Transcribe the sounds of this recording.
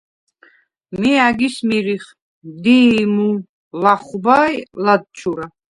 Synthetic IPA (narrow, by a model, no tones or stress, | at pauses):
miaɡismiɾiχ | d̪imu | laχubajlad̪̚t͡ʃʰuɾa